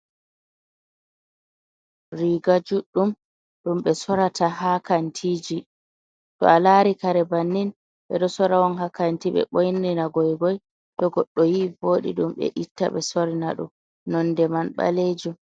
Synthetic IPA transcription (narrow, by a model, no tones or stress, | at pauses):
ɾiɡad͡ʒuɗum | ɗumɓɛsɔɾataɦakantʰiːd͡ʒi | tɔ̰alaɾikaɾɛbanːin | ɓɛɗɔsɔɾawɔnhakantiɓɛ̰ɓojnːinaɡɔjɡɔj | ɗɔɡɔɗːɔjiboːɗḭɗumɓɛ̰ʔitːa̰ɓɛsɔɾinaɗṵm | nɔndɛmanɓa̰led͡ʒum